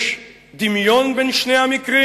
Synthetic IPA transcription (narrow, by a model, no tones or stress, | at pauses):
ʃ | d̪imjɔnbɛnʃnɛamikɾɪ